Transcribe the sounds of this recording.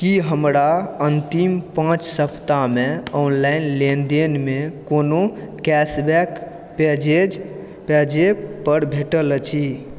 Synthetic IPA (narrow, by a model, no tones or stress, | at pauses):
kiɦəmɾaənt̪impãt͡ʃsəpʰt̪ameɔnlajnlend̪enmekonokɛsbɛk | ped͡ʒed͡ʒ | pɛd͡ʒepəɾbʱeʈəlt͡ʃʰi